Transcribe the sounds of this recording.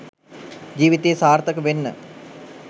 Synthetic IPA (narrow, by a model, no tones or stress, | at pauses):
d͡ʒiːʋit̪eːsaːrt̪əkəʋenːə̰